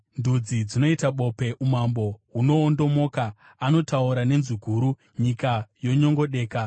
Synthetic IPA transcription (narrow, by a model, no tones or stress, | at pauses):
ndud͡zid͡zino̞itaɓo̞pe̞ʔumambo̞ɦuno̞ːndo̞mo̞ːka | ano̞tauɾane̞nziɡʱuːɾu | ɲikajo̞ɲo̞ŋɡo̞ɗe̞ːka